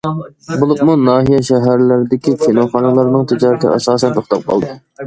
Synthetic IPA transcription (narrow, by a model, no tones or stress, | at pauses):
bulˠʊqmunɑːɦijɛʃɛɦæɾlɪɾɪd̪ɪkʲikʲʰenoχɑnɨlˠɑɾnɨŋt̪ʰɪd͡ʒɑːɾɪt̪ʰɪ̰ɛsɑːsɛnt̪ʰoχt̪ʰɑp̚qʰɑ̰lˠd̪ɨ